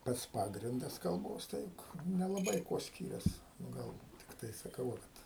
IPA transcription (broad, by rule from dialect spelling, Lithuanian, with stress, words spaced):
ˈpɐts ˈpɑːɡrʲɪndɐs kɐlˠˈboːs ˈtɐɪ nʲɛlˠɐˈbɐɪ ˈkuɔ ˈsʲkʲiːrʲɛs nʊ ˈɡɐlˠ tʲɪkˈtɐɪ sɐˈkɐʊ ʋɐ ˈkɐt